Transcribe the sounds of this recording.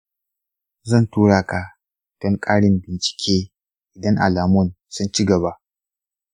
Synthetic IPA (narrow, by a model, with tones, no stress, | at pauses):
zɐ˦˨ntuː˦ɽaː˨ka˨ | d̥ɐ˦ŋkʼaː˦ɽɪ˦mbɪ˨nt͡ʃɪ̥˨kʲʰeː˦ | ʔɪ˨dɐ˦ŋʔa̰˨laː˨mʊ˦˨n | sʊ˦nt͡ʃi˦ɡɐ˨βa˦ʔ